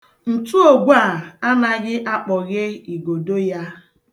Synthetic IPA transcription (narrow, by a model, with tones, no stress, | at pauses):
n̩˨tu˦o˨ɡʷa˦˨a˦na˦ɣɪ˦ʔa˦k͡pɔ˨ɣɪ˦i˨ɡo˨do˦ja˦